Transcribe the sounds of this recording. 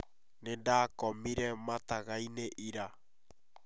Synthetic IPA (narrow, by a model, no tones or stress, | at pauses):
nendaːkɔmiɾɛmataɣaineʔiɾa